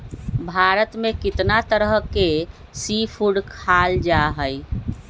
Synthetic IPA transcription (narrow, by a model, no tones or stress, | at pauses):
bʱaɾət̪mẽkɪt̪nat̪əɾəɦke | sipʰuɖkʰald͡ʒaɦəj